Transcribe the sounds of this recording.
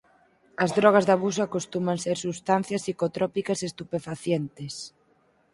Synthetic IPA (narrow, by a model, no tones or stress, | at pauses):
ɐzðɾɔɣ̞ɐzðaβus̬akost̪umɐnseɾsust̪an̟θjɐsikot̪ɾɔpikɐsest̪upefaθjent̪ɪs